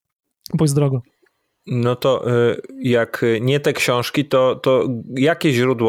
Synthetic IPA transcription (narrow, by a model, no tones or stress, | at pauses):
bujzd̪ɾɔɡɔ | nɔt̪ɔʔjakɲɛt̪ɛkɕɔ̃w̃ʂkʲit̪ɔt̪ɔjakʲeʑɾud̪wɔ